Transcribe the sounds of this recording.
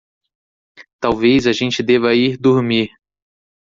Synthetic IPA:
t̪awvejzɐʒẽnt͡ʃɪd̪evɐiɾd̪oɾmiɾ

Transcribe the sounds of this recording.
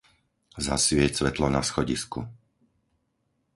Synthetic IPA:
za̰sʋɪɛsʋɛt̪lɔnasxɔɟisku

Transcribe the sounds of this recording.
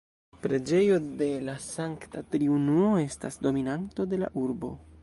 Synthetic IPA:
pɾe̞d͡ʒe̞jo̞de̞lasaŋktatɾiunuoe̞sta̰sdo̞minanto̞de̞la̰ʔuɾbo̞̰

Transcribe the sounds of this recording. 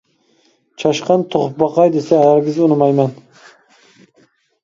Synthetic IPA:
t͡ʃʰɑʃqʰɑnt̪ʰoχʊp̚bɑqʰɑjd̪esɛɦæɾɡʲɪzunɨmɑjmɛn

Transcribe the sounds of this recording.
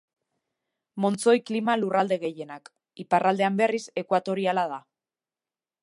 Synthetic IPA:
mo̞nt͡so̞jklimalurald̪e̞ɣe̞je̞nak | iparʔald̪eambe̞rise̞kwat̪o̞ɾialað̞a

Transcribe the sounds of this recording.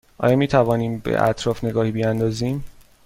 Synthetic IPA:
ʔɒ̰ːjɒːmiːt̪ʰævɒːniːmbḛʔæ̰t̪ʰɾɒːfne̞ɡɒːhiːbiænd̪ɒːziːm

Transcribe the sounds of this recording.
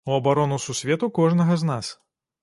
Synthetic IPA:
uɐbaɾɔnususʲvʲɛt̪ukɔʐnɐɣɐznas

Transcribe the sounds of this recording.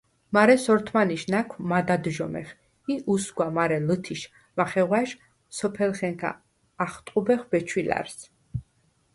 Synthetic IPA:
maɾɛsɔɾt̪ʰmaniʃnakʰmad̪ad̪ʒɔmɛ̰χ | iʔusɡwamaɾɛlɨt̪ʰiʃ | maχɛʁwaʃ | sɔpʰɛlχɛŋkʰa̰ː | χt̪ʼqʼubɛχbɛt͡ʃʰwila̰ɾs

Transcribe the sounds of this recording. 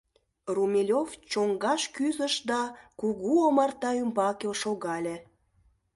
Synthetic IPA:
rumʲelʲovt͡ɕoŋɡɑʃkyzəʃd̪ɑkuɣuomɑrt̪ɑymbɑkelʃoɣɑlʲe

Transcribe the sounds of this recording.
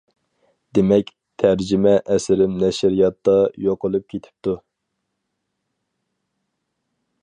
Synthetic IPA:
d̪emɛkʲ | t̪ʰæɾd͡ʒɪmɛʔɛsɪɾɪmnɛʃɾijɑt̪ːɑjoqəlˠɨp̚kʲʰet̪ʰɪ̥p̚t̪ʰu

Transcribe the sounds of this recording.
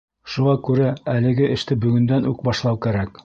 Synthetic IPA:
ʃuʁɑkʉɾæælɘ̆ɡɘʔɘ̆ʃt̪ɘbɵ̆ɡɵ̆nd̪ænʉ̰k̚bɑʃlˠɑwkæɾæk

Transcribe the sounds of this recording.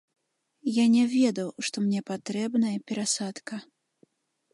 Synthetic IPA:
janʲɛvʲɛd̪ɐwʂt̪ɔmnʲɛpat̪ɾɛbnɐjɐpʲɛɾasat̪kɐ

